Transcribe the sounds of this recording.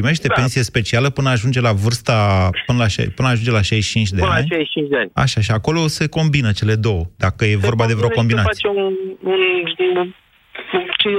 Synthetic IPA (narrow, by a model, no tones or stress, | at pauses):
ppɾime̞ʃt̪e̞pe̞nsije̞spe̞t͡ʃialəpɨnəaːʒund͡ʒe̞lavɨrst̪apɨnəlaʃa̰jpɨnəaːʒund͡ʒe̞laʃajʃt͡ʃint͡ʃʲd̪eanlʃajt͡ʃint͡ʃʲd̪eanʲa̰ʃaʃiako̞lo̞se̞ko̞mbinət͡ʃe̞le̞d̪o̞wəd̪akəje̞vo̞rbad̪eveokombiai̥jeuunʃd̪iu | ut͡ʃi